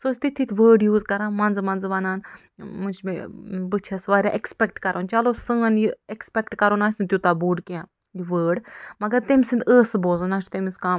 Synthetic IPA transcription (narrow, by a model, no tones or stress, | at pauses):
soːsʲt̪it̪ʰːit̪ʰʲʋəːɖjuːzkɐɾaːnmɐnzmɐnzʋɐnaːn | mut͡ʃʰmebɨt͡ʃʰɐsʋaːɾʲaʔekspʲek̚ʈkɐɾʔoːnt͡ʃɐlosɨ̃ːnjiekspʲekʈkɐɾoːnaːsʲnt̪ʲjut̪abuːɖkiãː | jiʋəːɖmɐɡɐɾt̪emisɨnd̪əːsɨboːzɨnaːst̪emiskaː